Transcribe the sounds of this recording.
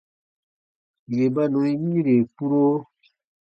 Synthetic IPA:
je˨ba˦nɔ̃˨i˦mĩ˦ɾe˨pu˦ɾo˦

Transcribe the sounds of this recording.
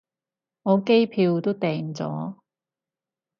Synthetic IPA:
ŋɔː˨˧ke˥jpʰiː˧wt̪o˥wt̪ɛː˨˧ŋt͡sɔ̰ː˨˥

